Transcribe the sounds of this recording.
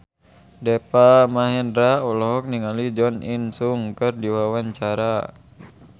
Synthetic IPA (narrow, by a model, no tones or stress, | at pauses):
dɛpamaɦɛndɾaulɔɦɔk̚niŋalid͡ʒɔninsuŋkɨrdiwawaɲt͡ʃaɾa